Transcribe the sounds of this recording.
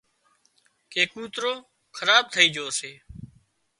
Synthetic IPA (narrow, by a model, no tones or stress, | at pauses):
keːkuːt̪ɾoː | kʰəɾaːb̚t̪ʰəiːd͡ʒoːseː